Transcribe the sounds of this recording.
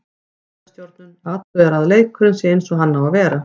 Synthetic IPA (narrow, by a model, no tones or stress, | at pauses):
ast̪jowɾt̪̚nʏnat̪ʏðɛɾaðlejkʰːɾʏnsɪejnsɔɣɦanːavavɛːɾa